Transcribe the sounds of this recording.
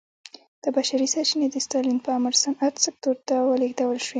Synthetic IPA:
d̪̥əbaʃaɾisɑt͡ʃined̪əst̪ɑlinpəamaɾsanat̪sɪk̚t̪oɾt̪awəleɡd̪awəlʃwi

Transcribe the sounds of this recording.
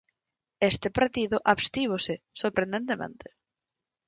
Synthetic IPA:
est̪ɪpaɾt̪iðʊʔaβst̪iβosɪ | soɾpɾend̪ent̪emḛ̃nt̪e̥

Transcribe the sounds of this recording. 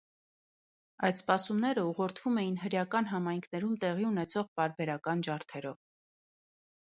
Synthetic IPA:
ɑjt̪spɑsumnɛɾəuʁɔɾt̪ʰv̥umɛjinɦəɾjɑkɑnɦɑmɑjŋkʰnɛɾumt̪ɛʁiunɛt͡sʰɔʁpɑɾbɛɾɑkɑnd͡ʒɑɾt̪ʰɛɾɔv

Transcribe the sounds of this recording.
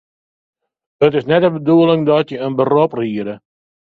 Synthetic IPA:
ətɪsnɛtəbəduəlɪŋdɔtjəənbərɔpriəɾə

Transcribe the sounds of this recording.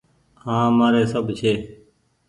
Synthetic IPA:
hãːmaːɾeːsəbt͡ʃʰeː

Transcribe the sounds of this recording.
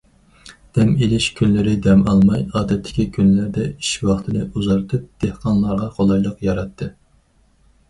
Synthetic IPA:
d̪̥ɛmelɪʃkʲʰynlɪɾɪd̪ɛmɑlˠmɑjɑːd̪ɛt̪ʰːɪ̥kʲikʲʰynlæɾd̪ɛiʃwɑχt̪ʰɨnɨʔuzɑɾt̪ʰɨp̚d̪̥ehqʰɑnlˠɑɾʁɑχolˠɑjlˠəqjɑɾɑt̪ʰːɨ

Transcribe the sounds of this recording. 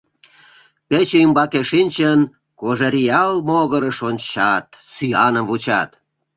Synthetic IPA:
pet͡ɕeymbɑkeʃinʲt͡ɕən | koʒeɾʲiɑlmoɣəɾəʃonʲt͡ɕɑt̪syjɑnəmvut͡ɕɑt̪

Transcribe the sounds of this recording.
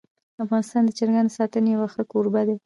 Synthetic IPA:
afɣɑnɪst̪ɑnd̪ət͡ʃaɾɡand̪sɑt̪ənejawaxəkoɾbad̪e

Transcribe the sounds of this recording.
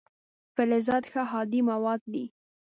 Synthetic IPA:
fɪlɪzɑd̪xaɦɑd̪imawɑd̪̚ːi

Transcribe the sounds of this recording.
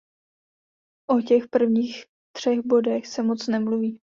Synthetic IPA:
ʔocɛxpr̩vɲiːx | t̪r̝̥ɛɣbo̞dɛxsɛmot͡snɛmluviː

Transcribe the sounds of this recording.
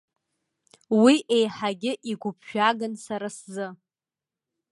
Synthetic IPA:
wiʔejħaɡʲɪʔiɡʷʊpʰʃᶣaɡansaɾaszɨ

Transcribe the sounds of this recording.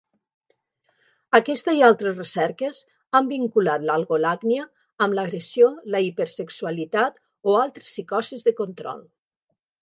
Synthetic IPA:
əkɛst̪əzialˠt̪ɾəsresɛɾkəz | ambiŋkulat̪lalˠɣolaɡniəː | mləɣɾesijoləipeɾsəksuəlit̪at̪ | oalˠt̪ɾəsikɔsizðəkont̪ɾɔ̰lˠ

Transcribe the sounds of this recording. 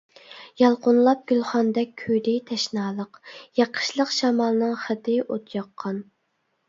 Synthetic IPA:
jɑlˠqʊnlˠɑp̚ɡ̥ʲylˠχɑnd̪ɛk̚ʲʰːyd̪ɪjt̪ʰɛʃnɑːlˠəqjɑqʰːə̥ʃlˠəqʃɑmɑlˠɨnɨŋχət̪ɪʔot̪ʰjɑqʰːɑn

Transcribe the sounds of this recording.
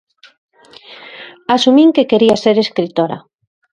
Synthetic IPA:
asumĩŋkekeɾiaseɾeskɾit̪oɾa̰

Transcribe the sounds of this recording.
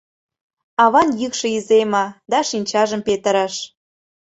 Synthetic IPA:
ɑβɑnjykʃɤ̆izemɑd̪ɑʃinʲt͡ɕɑʒəmpet̪ə̆ɾɑʃ

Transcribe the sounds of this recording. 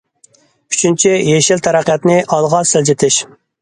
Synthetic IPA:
y̥t͡ʃʰynt͡ʃʰijeʃilt̪ʰæɾæqijɑt̪nɪʔɑlˠʁɑsɪld͡ʒɪt̪ʰɪʃ

